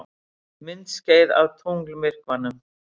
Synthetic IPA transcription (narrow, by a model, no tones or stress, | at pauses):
mɪnt̪sceːjða̰wt̪ʰuŋklmɪr̥kvanːʏm